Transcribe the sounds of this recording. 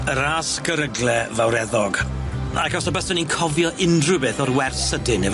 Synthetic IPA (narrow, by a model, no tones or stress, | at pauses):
əɾaskəɾəɡlɛvawɾɛðɔɡakɔsɔbəsəninkʰɔvjɔʔɪndrʊbeːθɔrwɛrsədɪnɛv